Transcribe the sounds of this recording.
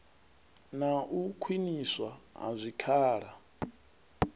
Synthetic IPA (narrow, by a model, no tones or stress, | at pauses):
naʔukʰwiniswaa̰zʷikʰaːɺa